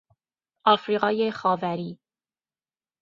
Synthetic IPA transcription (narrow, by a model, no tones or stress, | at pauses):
ʔɒːfɾiːɣɒːjexɒːvæɾiː